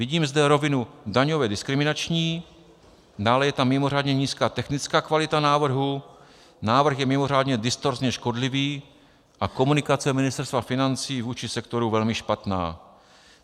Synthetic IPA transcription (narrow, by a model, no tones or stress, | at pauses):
vɪɟiːmzdɛɾo̞vɪnudaɲovɛdɪskɾɪmɪnat͡ʃɲiː | daːlɛjɛt̪amːɪmo̞r̝aːdɲɛɲiːskaːt̪ɛxnɪt͡skaːkvalɪt̪anaːvr̩ɦu | naːvr̩xjɛmɪmo̞ɾ̝aːdɲɛdɪst̪o̞ɾzɲɛʃko̞dlɪviː | ʔako̞munɪkat͡sɛmɪnɪst̪ɛɾst̪vafɪnant͡siːvuːt͡ʃɪsɛkt̪o̞ɾuvɛlmɪʃpat̪na̰ː